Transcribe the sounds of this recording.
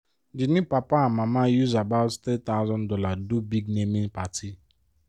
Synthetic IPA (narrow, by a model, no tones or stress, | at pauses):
d͡ʒinĩpapaamamajuzabaʊttet̚t̪aʊzɔ̃ndɔladobiɡnemĩnpatʰi